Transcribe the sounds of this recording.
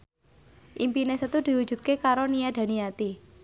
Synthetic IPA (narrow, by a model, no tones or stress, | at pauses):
ʔimpinesət̪ud̪̥i̤wu̥ʒ̥ṳt̪̚kekaɾonijad̪̥a̤nijat̪i